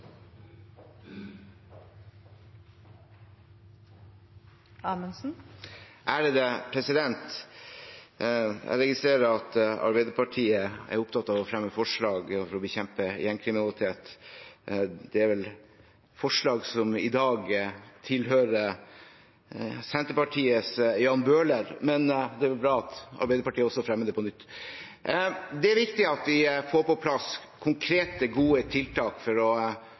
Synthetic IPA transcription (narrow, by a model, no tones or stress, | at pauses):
ɑːmənsn̩ʔæɖɛd̪ɛpʰɾɛsɪd̪ɛnt̪ | ʔæ̰ɪɾɛɡɪst̪ɾeːɾəɾɑt̪ɑ̰ɾbɛɪd̪əɾpɑʈʰiːəæ̰ɾʊpt̪ʰɑt̪ːɑʋɔfɾɛmːəfɔʂɭɑːɡfɔɾɔbəçɛmpəɪ̰jɛnkʰɾɪmɪnɑlɪt̪ʰeːt̪ | d̪̥ɛæɾʋɛl | fɔʂɭɑːɡsɔmɪd̪ɑːɡt̪ʰɪlɦøːɾə | sɛnt̪əɾpɑʈʰiːəsjɑːnbøːləɾmɛnd̪ɛɾʋɛlbɾɑːɑt̪ɑ̰ɾbæɪd̪əɾpɑʈʰiːəɔsːɔfɾɛmːəd̪ɛːpɔnʏt̪ː | d̪ɛæɾʋɪkt̪ɪɑt̪ʋɪfoːɾpɔpʰlɑskʰʊŋkʰɾeːt̪əɡuːət̪ʰɪlt̪ʰɑːkfɔɾɔ